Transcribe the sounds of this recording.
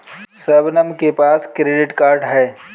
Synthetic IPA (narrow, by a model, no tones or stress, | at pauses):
səbnəmkepaːskɾeːɖɪʈkaːɾɖɦɛː